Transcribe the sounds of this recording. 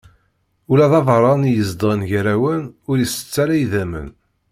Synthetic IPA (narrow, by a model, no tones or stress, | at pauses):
ulæðɑvɾˤɑnjəzd̪ˤʁənʝəɾæwənʊɾjəsə̥t͡sːæɾæjðæmə̰n